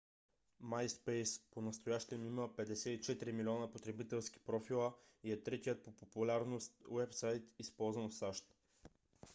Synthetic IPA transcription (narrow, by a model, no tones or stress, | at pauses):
majspɛjsponɐst̪ojaʃt̪ɛmiməpɛd̪ɛsɛit͡ʃɛt̪ɾimilʲiɔnəpot̪ɾɛbit̪ɛlˠsk̟i̥pɾɔfilˠə | iɛt̪ɾɛt̪ijət̪̚popopulʲaɾnost̪wɛpsajt̪ispɔlˠzvɐnfsaʃt̪